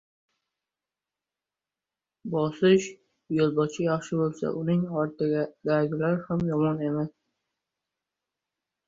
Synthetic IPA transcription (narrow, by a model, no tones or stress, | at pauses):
bɒsɪʃ | jolˠbɒt͡ʃʰɪjɑχʃɪbolˠsa̰ʔʊnɪŋɒɾt̪ʰɪɡʲad̪aɾɡʲɪlaɾhamjɒmɒne̞mas